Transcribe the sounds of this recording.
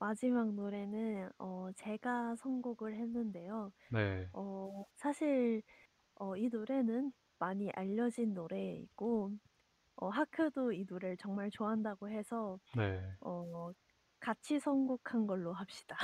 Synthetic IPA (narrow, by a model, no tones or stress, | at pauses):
mad͡ʑimak̚noɾe̞nɯnʌt͡ɕe̞ɡasʰʌŋɡoɡɯɭhe̞nːɯnde̞jo | neʌsʰaɕʰiɭ | ʌinoɾe̞nɯn | maɲiʔaʎːʌd͡ʑinːoɾe̞ḭk͈o | ʌɦakʰɯdoinoɾeɭt͡ɕʌŋmaɭt͡ɕoaɦandaɡoɦe̞sʰʌneʌ | kat͡ɕʰisʰʌŋɡokʰanɡʌɭːoɦap̚ɕ͈i̥d̥a